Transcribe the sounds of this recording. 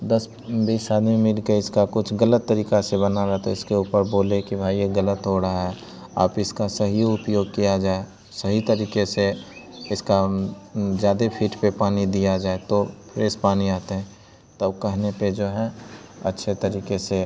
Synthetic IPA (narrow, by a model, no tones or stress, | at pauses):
d̪ɐs | biːsaːd̪mẽmɪlkeɪskakʊt͡ʃʰɡələt̪ːəɾiːkasebənaɾaɦt̪o̰ɪskeuːpəɾboːlekibʱaːijeɡələt̪ɦoɾaaɦɛ | a̰ːpɪskasɐɦijoʊpjoːɡ̚kijad͡ʒaːe | səɦit̪əɾiːkese | ɪska | zjaːd̪epʰiːʈpepaːnid̪ijad͡ʒaːet̪opʰɪɾɪspaːniaːt̪eɦɛ̃ | t̪ɐbkɛɦneped͡ʒoːɦɛ̃ɐ̰tːʃʰet̪əɾiːkese